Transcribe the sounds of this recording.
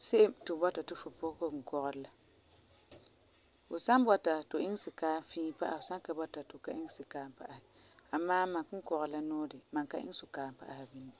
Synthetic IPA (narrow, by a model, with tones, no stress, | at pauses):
se˦ʔɪ˦mtʊ˨bɔ˦ta˨tɪ˦fʊ˨pʊ˦ko˦k̩˨kɔ˦ɣɔ˨ɾla˦ | fʊ˨sa˦n˦bɔ˦ta˨tʊ˨ʔɪ˦ŋ˦sɪ˨kaː˦fiː˦pa̰˦ʔa˨ʊ˨sa˦ka˨bɔ˦ta˨tʊ˨ka˦ʔɪ˦ŋ˦sɪ˨kaː˨˦m˨pa˦ʔa˨hɪ˨ | a˨maː˦mã˨kʊ˦ŋ˦kɔ˨ɣɔ˨˦la˦nɔː˦dɪ˨ma˨ka˦ʔɪ̰˦sʊ˨kaː˨m˨pa̰˦ʔa˦ha˨bi˦ni˦